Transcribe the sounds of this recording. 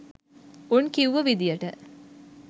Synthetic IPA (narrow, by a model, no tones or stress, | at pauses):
unkiuʋəʋid̪ijəʈə